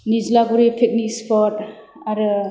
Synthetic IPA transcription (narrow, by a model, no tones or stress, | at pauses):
nizlaɡuɾipʰek̚nikspʰɔtaɾɯ